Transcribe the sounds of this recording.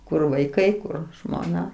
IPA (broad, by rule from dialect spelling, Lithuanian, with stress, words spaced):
kʊr ʋɐɪˈkɐɪ ˈkʊr ʒmoːˈnɐ